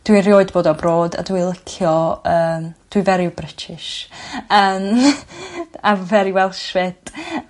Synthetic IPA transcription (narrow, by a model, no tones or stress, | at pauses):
d̥wiɾjoːɨdboːdɔbroːda̰dwilˠɪkʰjɔəːmd̥wivɛɾibrɪtʰɪʃəːm | avɛɾiwɛlˠʃwɛd̥ʼ